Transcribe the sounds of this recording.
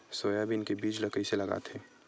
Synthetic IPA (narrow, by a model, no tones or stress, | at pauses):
soːjabʱiɪnkebiːd͡ʒləkəiselɐɡa̰ːt̪ʰeː